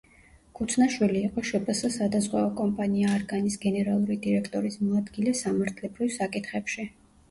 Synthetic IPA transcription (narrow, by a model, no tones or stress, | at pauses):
kʰut̪sʰnaʃwiliːqʼɔʃɛpʼɛsasad̪azʁwɛɔkʼɔmpʼaniaːɾɡanisɡɛnɛɾalˠuɾid̪iɾɛkʰt̪ʼɔɾismɔad̪ɡilɛsamaɾt̪ʰlɛbɾivsakʼit̪ʰχɛpʃi